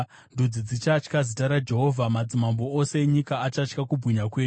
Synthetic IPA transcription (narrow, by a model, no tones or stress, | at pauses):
ndud͡zid͡zit͡ʃat͡ʃkazitaɾad͡ʒe̞ɦo̞vʱamad͡zimamboose̞ɲikaːt͡ʃat͡ʃkakubʱwiɲakwe̞ːɲu